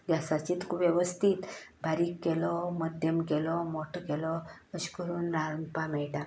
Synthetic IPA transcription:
ɡjasat͡ɕiːt̪kʰuʋjeʋəst̪ʰiːt̪bʱaɾiːkːelɔməd̪ʱjəmkelɔmoʈʰkelɔəɕkəɾuːnɾaɾəmpamɛɭʈã

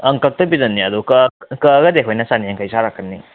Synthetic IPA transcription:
ɐŋkɐk̚tɐbidɐnːiɐdukkɐɡɐdeɦojnɐsaniɐŋkʰajsaɾakʰːənːi

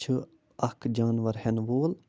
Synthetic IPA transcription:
t͡ʃʰɨ | ɐkd͡ʒaːnʋɐɾhenʋoːl

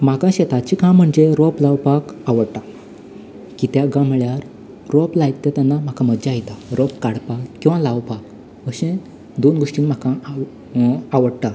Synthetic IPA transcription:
m̤akãɕet̪at͡ɕikãm̤əɳd͡ʑeɾɔplawpakaʋəɽt̪a | kit̪jaɡam̤ɭjaɾ | ɾɔplajt̪ːet̪anːam̤akãmədd͡ʑajt̪aɾɔpkaɽpakːĩw̃ʋãlaʋpak̚ | ʋəɕẽ | d̪onɡoʂʈiːnm̤akã | aʋəɽt̪a

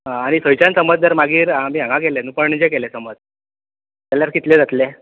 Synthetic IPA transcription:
ɦãaɽ̃isəjt͡ɕansəməd͡zd̪əɾmaɡiːɾamiːãŋɡãk̬elenupəɳid͡ʑekelesəməd͡z | t̪aljaɾkit̪led͡zat̪le

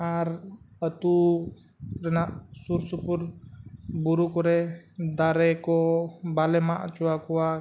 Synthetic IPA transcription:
aɾət̪u | ɾɛnaʔsuɾsupuɾ | buɾukɔɾɛd̪aɾɛkɔbalɛmaʔt͡ʃuakuwa

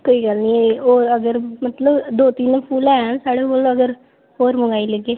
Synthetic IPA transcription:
koːiːɡəlniːeoːɾəɡəɾmət̪ləbd̪oːt̪iːnpʰuːlɛːsaːɽeːkoːləɡəɾ | oːɾməŋɡaːiːləɡeː

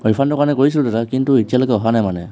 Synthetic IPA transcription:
ɔɹipfʰandɔkanɛkoɹisilʊdɛtakintuitijalojkɛɔɦanajmanɛ

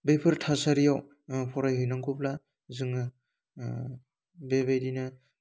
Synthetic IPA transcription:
bepʰɯɾtʰasaɾijaw | pʰɔɾajɦɯjnaŋkʰupla | zɯŋ | bebejdina

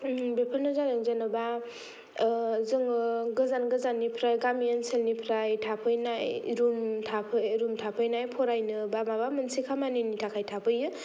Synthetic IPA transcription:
bepʰəɾnɯzaɾɯŋzanɯba | zɯŋɯɡɯzanɡɯzanːipʰɾajɡamiənselnipʰɾajtʰapʰɯjnajɾumtʰapʰɯjɾumtʰapʰɯjnajpʰɔɾajnɯbamabamɯnsikʰamaninitʰakʰajtʰapʰɯjɯ

